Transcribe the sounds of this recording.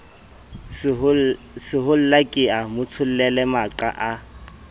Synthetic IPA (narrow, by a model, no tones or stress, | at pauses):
sɪɦʊl̩lakʼɪamʊt͡sʰʊl̩lɛlɛmaǃa̰ʔa